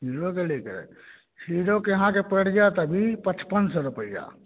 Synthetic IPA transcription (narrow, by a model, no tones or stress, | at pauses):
iɾokelekəɾɛ̰ | sʰiːɾokeɦãkepeɽ̤d͡ʒat̪əbʱipət͡ʃpənsɔɾupəja̰ː